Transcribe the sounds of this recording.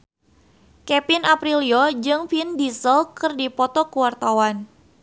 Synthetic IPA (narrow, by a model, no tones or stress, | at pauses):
kɛpinapɾiliod͡ʒɨŋfindisəlkɨrdipɔt̪ɔkuwart̪awan